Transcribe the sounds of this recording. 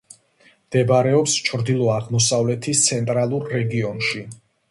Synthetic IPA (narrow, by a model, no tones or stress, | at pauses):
md̪̥ɛbaɾɛɔpst͡ʃʰɾd̪ilˠɔaʁmɔsavlɛt̪ʰist̪sʰɛnt̪ʼɾalˠuɾːɛɡiɔnʃi